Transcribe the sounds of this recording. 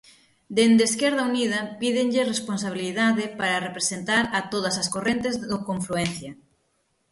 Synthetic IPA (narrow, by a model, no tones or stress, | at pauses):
d̪end̪eskɛɾð̞ɐunið̞ɐpiðɪŋʎɪrespons̬aβ̞iliðaðɪpaɾɐrepɾesent̪aɾɐt̪oð̞ɐsɐskorent̪ezðokoɱfluen̟θjɐ